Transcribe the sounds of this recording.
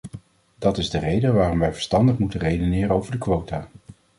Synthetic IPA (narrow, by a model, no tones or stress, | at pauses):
dɑtɪzdərejdəʋaːrɔmʋɛjvə̥ɹstɑndəχmutərejdonɪːrəowvəɹdəkʋowtaː